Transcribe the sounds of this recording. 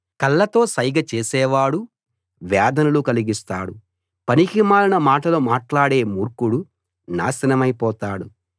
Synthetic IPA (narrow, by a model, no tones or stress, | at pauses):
kɐlːɐt̪o̞ːsɐjɡɐt͡ʃeːsɛːʋaːɽu | ʋjaːd̪ɐnɐlukɐliɡist̪a̰ːɽu | pɐniɦimaːlɐnɐmaːʈɐloːmaːʈlaːɽe̞ːmuːɾkuɽu | na̰ːsɐnɐmɐjpɔːt̪aːɽu